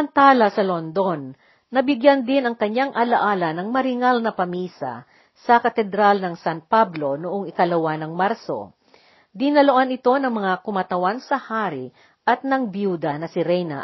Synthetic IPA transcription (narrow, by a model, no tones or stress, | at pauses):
mɐnt̪aːlɐsɐlond̪o̞nː | ɐbɪɡjand̪ɪnɐŋkɐɲaŋʔɐlɐʔaːlɐnɐŋmɐɾɪŋalnɐpɐmiːsɐ̰ | sɐkɐt̪ɛd̪ɾalnɐŋsanpablo̞nʊʔoŋɪkɐlɐwanɐŋmaɾso̞̰ | d̪ɪnɐloʔanɪt̪o̞nɐŋmɐŋakʊmat̪ɐwansɐhaːɾɪ | ʔɐt̪̚nɐŋbjud̪ɐnɐsɪɾɛjnɐ̰